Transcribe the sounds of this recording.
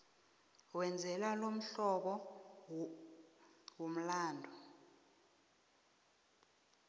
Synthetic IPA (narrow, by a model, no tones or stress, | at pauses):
wɛnd͡zʱɛlalom̩ɬɔɓɔ | wom̩laːndʱɔ